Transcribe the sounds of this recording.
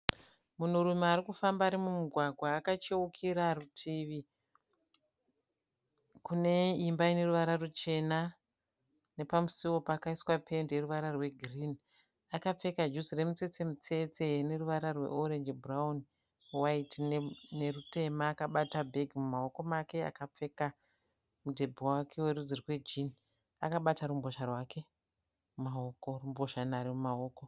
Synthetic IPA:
mun̤uɾumeaɾikufambaːɾimumuɡʱwaɡʱwaːkat͡ʃeukʰiɾarutʰiʋi | kune̞imbaine̞ruʋaɾarut͡ʃe̞na | ne̞pamusiwopaːkaiswapʰe̞nderuʋaɾarwe̞ɡʱrin | akap͡fe̞kad͡ʒuzire̞mut͡se̞t͡se̞mut͡se̞t͡sene̞ruʋaɾarwe̞̰oɾe̞nd͡ʒbraun | waitine̞rute̞maːkaɓatabʱe̞ɡʱimumao̞ko̞make̞a̰kap͡fe̞ka | mudʱe̞bʱowakʰe̞we̞ɾud͡zirkwe̞d͡ʒin | akaɓataɾumbo̞ʃarwake̞ | umaoko̞rumbo̞ʃanaɾemumao̞ːko

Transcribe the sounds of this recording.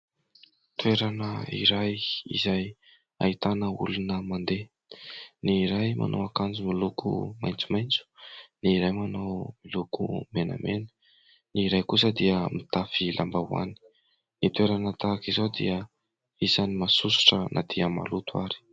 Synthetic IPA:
t̪ueɾanəḭɾajḭzaj | a̰it̪anəṵlunəmand̪e | niɾajma̰nʔo̰wakand͡zumilukʰṵma̰jnt͡sumajnt͡su̥niɾajmanawmilukṵmena̰menə̥ | niɾajkusəd̪iəmit̪afilʔa̰mbawa̰ni̥ | nit̪weɾanət̪akizod̪ḭə | izanimasusu̥ʈ͡ʂənʔa̰d̪̥iəma̰lut̪uaɾi̥

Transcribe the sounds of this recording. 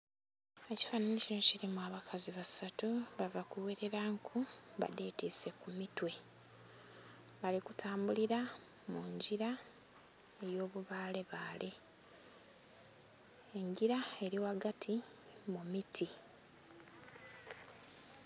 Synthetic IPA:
e̞ci̥fananicino̞ciɾimuaβakʰaziβasatuβavakuweɾeɾaŋkʰuβa̰de̞ːtise̞kumitwe̞ | βalikutʰaːmbuliɾa | muɲɟiɾa | e̞jo̞ːβuβaːle̞βaːle | eŋɡiɾae̞ɾiwaɡatʰi | mumitʰi

